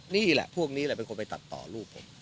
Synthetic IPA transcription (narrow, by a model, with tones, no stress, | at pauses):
niː˥˩lɛ̰˨˩ʔpʰu˥˩ək̚niː˦˥lɛ˨˩pe˧nkʰo˧npa˧jt̪a̰˨˩t̪ːɔ̰ː˨˩ɾuː˥˩pʰːo̰˨˦m